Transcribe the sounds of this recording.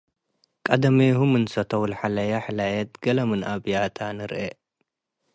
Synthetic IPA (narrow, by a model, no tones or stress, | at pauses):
kʼɐd̪ɐmeɦumɨnsɐt̪ʰɐwulħalɐjaħɨlajɐt̪̚ɡɐlɐmɨnʔaβjat̪ʰanɨɾʔe